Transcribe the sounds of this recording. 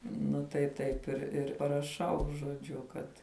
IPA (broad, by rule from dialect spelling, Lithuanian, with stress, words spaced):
nʊ tɐɪ ˈtɐɪp ɪr ɪr pɐrɐˈʃɐʊ ʒoːˈd͡ʒʲʊ ˈkɐt